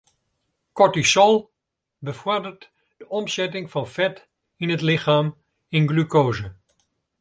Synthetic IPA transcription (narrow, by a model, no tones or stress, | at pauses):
kɔtisɔlˠ | bəvɔrdərt | d̥əɔmsɛtɪŋfɑnfɛt | ɪnətlɪχaːm | ɪnɡlykoːzə